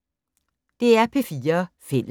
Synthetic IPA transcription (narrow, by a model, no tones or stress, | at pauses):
d̥e̝æɐpʰe̝fiːɐ | fel̰